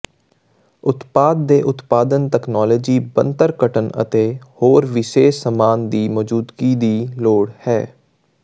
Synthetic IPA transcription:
ʊt̪paːd̪̚ːeːʔʊt̪paːd̪ənʈ̪ɛːknaːləːd͡ʒiːbənt̪əɾkəʈʰənə̰t̪eːhoːɾʋɪʃeːʃsəmaːnd̪iːmɔːd͡ʒuːd̪ɡiːd̪iːloːɽhɛː

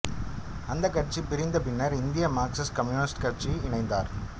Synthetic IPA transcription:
ɐnd̪ɐkːɐʈt͡ʃːipɪɾɪnd̪ɐpɪnːɐɾɪnd̪ɪjɐmaːɾksɐskɐmjuːnɪsʈkɐɾt͡ʃiɪɳɐɪnd̪a̰ːɾ

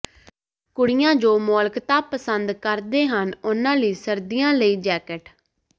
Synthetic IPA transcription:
kʊɽɪjãːd͡ʒoːmoːlkt̪ãːpəsənd̪kəɾd̪eːɦənʊnãːliːsəɾd̪ɪjãːləiːd͡ʒɛːkəʈ

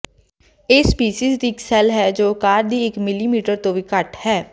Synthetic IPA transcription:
eːspiːsiːzd̪iɪksɛːlɦɛːd͡ʒoːkaːɾd̪iːɪkmɪliːmiːʈəɾt̪õːʋiːkəʈhɛː

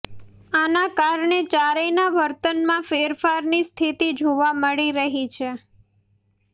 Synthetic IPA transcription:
anakaɾɳet͡ʃaɾəjnaʋəɾt̪ənmãfeɾfaɾnist̪ʰit̪id͡ʒʱoʋaməɭiɾəɦit͡ʃʰe

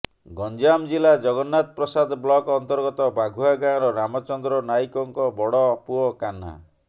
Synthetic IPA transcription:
ɡɔnd͡ʒamd͡ʒilad͡ʒɔɡɔnːat̪̚pɾɔsad̪ʱblɔkɔnt̪ɔɾɡɔt̪ɔbaɡʱuaɡãɾɔɾamɔt͡ʃɔnd̪ɾɔnaikɔŋkɔbɔɽɔpuɔkana̰

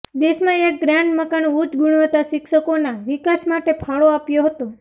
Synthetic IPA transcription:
d̪eʃmãek̚ɡɾaɳɖməkanud͡ʒ̪ɡʊɽ̃ʋət̪aʃɪkʃəkonaʋɪkasmaʈepʰaɭoapjoɦət̪o

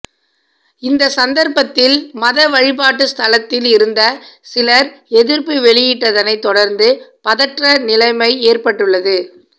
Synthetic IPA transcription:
ɪnd̪ɐsɐnd̪ɐɾpɐt̪ːɪlmɐðɐʋɐɻɪpaːʈːɯst̪ɐlɐt̪ːɪlɪɾɯnd̪ɐsɪlɐɾɛðɪɾpiʋɛɭɪjɪʈːɐðɐnɐɪt̪ːɔɽɐɾnd̪ɯpɐðɐʈrɐnɪlɐɪmɐɪeːrpɐʈːɯɭːɐðɯ

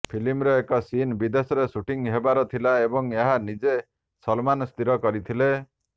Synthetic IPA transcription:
pʰilimɾeekɔsinbid̪esɔɾesuʈiŋɦebaɾɔt̪ʰilaebɔŋeɦanid͡ʒe | sɔlmanst̪iɾɔkɔɾit̪ʰile

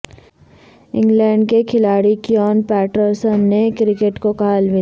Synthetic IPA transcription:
ɪ̃ŋɡlɛ̃ːɳɖkekʰɪlaːɽikjɔːnpɛːʈəɾsənːekɾɪkeʈkokaalʋɪ

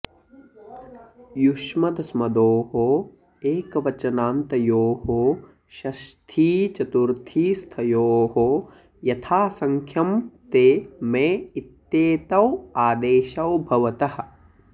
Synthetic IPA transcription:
juʃmɐd̪ɐsmɐd̪oːɦo | eːkɐʋɐt͡ʃɐnaːnt̪ɐjoːɦoː | ʃɐst̪ʰiːt͡ʃɐt̪uɾt̪ʰiːst̪ʰɐjoːɦo | jɐt̪ʰaːsɐŋkʰjɐmt̪eːmeːit̪ːeːt̪ɐwaːd̪eːʃɐwbʱɐʋɐt̪ɐhɐ̆

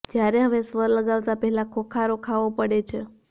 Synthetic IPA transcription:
d͡ʒjaɾeɦəʋesʋəɾləɡaʋt̪apɛɦɛlakʰokʰaɾokʰaʋopəɽet͡ʃʰe

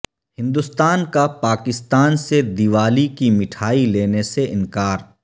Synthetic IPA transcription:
hɪ̃nd̪ʊst̪aːnkapaːkɪst̪aːnsed̪iʋaːlikimɪʈʰaːileːneseʔɪ̃nkaːɾ

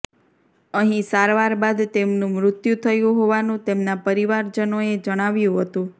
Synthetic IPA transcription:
əɦĩsaɾʋaɾbad̪t̪emnũmɾʊt̪jut̪ʰəjũɦoʋanũt̪emnapəɾiʋaɾd͡ʒənoed͡ʒəɽ̃aʋjũɦət̪ũ

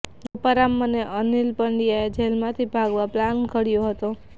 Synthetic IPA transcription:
opəɾamːəneʔənilpəɳɖijaed͡ʒʱelmãt̪ʰibʱaɡʋaplankəɽjoɦət̪o

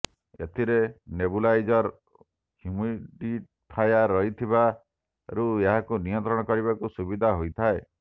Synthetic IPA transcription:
et̪ʰiɾenebulajd͡ʒɔɾ | hjumiʈiʈ | pʰajaɾɔɦit̪ʰiba | ɾueɦakunijɔnt̪ɾɔɽ̃ɔkɔɾibakusubid̪ʱaɦojt̪ʰae

